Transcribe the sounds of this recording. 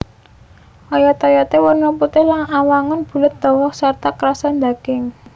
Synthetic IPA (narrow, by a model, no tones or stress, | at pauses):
ɔjɔt̪ɔjɔt̪ewərnɔput̪ɪhlaŋawaŋʊnb̥ṳlət̪̚d̪̥ɔ̤wɔsart̪akəɾasand̪akɪŋ